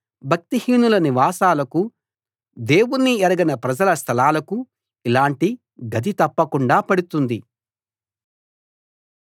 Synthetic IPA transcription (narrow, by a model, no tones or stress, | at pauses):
bʱɐk̚t̪ihiːnulɐniʋaːsaːlɐku | d̪e̞ːwunːiɛɾɐɡɐnɐpɾɐd͡ʒɐlɐst̪ʰɐlaːlɐku | ilaːɳʈi | ɡɐd̪it̪ɐpːɐkuɳɖaːpɐɽut̪und̪i